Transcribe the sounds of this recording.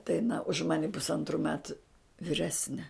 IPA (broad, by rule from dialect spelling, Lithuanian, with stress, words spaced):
tɐɪ ɐˈnɐ ʊʃ ˈmɑːnʲɛ pʊsˈɐntrʊ ˈmʲæːtʊ ʋʲɪˈrʲæːsʲnʲɛ